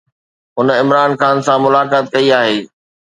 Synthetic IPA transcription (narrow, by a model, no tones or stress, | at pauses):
ɦʊnɪmɾaːnxaːnsãmʊlaːkaːt̪̚kɐiaːɦeː